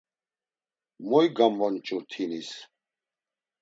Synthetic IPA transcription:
mɔjɡamvɔnt͡ʃʼuɾt̪ʰinis

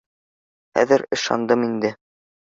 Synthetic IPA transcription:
χæ̰ðɘɾɤ̆ʃɑ̰nd̪ɤmind̪ɘ

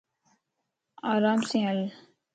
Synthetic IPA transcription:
aːɾaːmsĩəl

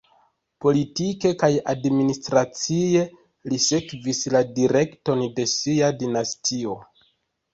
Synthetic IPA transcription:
po̞litike̞kajadministɾat͡sie̞ | lise̞kvisladiɾe̞kto̞nde̞siadinastʰio̞

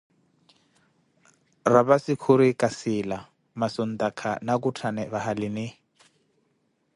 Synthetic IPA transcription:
rabasɪkʰʊɾɪkʼasɪla | mason̩d̪akʰa̰nak̬utʰanɛβahalɪnɪ

